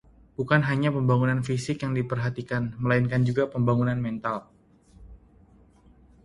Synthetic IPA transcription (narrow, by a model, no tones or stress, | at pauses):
bukanɦaɲapəmbaŋunanfisɪkjaŋdipərɦat̪ikanməlainkand͡ʒuɡapəmbaŋunanmɛnt̪al